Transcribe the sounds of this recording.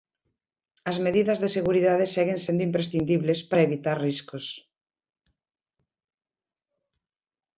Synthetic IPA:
ɐzmeðiðɐzðeseɣuɾiðaðesɛɣensend̪ʊimpɾesθind̪iβlespɾɐeβit̪aɾriskos

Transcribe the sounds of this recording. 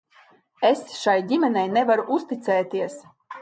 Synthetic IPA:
esʃajdʲimɛnɛjnɛvaɾuʔust̪it̪sɛːt̪iəs

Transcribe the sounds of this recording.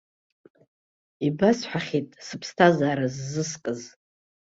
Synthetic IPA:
ibasħʷaχʲitʼsɨpʰstʰazaːɾazːɨskʼɨz

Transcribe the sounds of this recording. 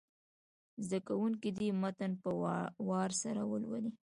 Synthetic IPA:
zd̪akawuŋkid̪imat̪anpəwɑɾsaɾawə̰lwa̰li

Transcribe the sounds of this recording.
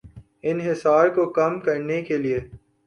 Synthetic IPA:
ɪnɦɪsaːɾkokɐmkɐɾnekelie

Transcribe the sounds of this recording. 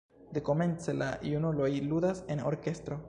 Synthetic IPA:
d̪eko̞me̞nt͡sela̰junulojlud̪aseno̰ɾkest̪ɾo̞

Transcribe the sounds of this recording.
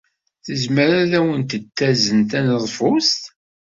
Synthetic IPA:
θəzməɾaðæwənt̪ət̪ːæzənt̪ænəðˤfʊst̪

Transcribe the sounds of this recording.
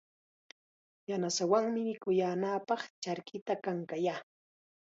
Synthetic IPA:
janasawaŋmɪmɪkʊjaːnapɑχt͡ʃaɾkɪt̪akaŋkajaː

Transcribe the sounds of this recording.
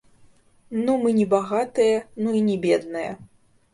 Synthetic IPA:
numɨnʲɛbaɣat̪ɨjɐnuinʲɛbʲɛd̪nɨjɐ̰

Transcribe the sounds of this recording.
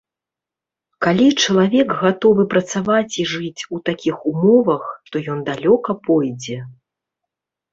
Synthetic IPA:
kalʲit͡ʂɐlˠavʲɛkɣat̪ɔvɨpɾɐt̪savat͡sʲiʐɨt͡sʲut̪akʲixumɔvɐxt̪ɔjɔnd̪alʲɔkɐpɔjd͡zʲɛ

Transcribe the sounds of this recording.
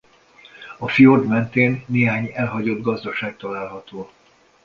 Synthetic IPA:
ɒfiord̪mɛnt̪eːnːeːɦaːɲɛlɦɒɟo̞d̪ɡɒzd̪ɒʃaːk̚t̪ɒlaːlɦɒt̪oː

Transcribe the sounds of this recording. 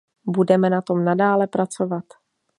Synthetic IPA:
budɛmɛnat̪o̞mnadaːlɛpɾat͡sovat̪

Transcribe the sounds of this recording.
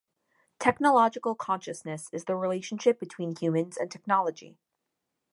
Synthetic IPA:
tʰɛknəlɑd͡ʒɨkl̩ˠkʰɑ̃nʃɨsnɨsɨzðəɹileɪʃn̩ʃɪp̚b̥ɨtʰw̥ĩnhjʉmɨ̃nzɨ̰̃ntʰɛk̚nɑlˠəd͡ʒḭ

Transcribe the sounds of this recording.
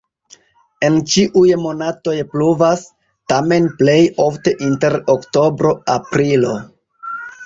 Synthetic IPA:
e̞nt͡ʃiʔujmo̞nato̞jpluvas | tame̞nple̞jo̞fte̞ʔinte̞ɾokto̞bɾo̞apɾilo̞

